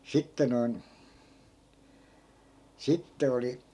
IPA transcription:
sitːe noin sitːe oli

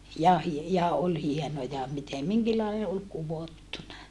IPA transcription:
jɑ hie jɑ ol hienojɑ mitem miŋkilːɑi ol kuʋotːunɑ

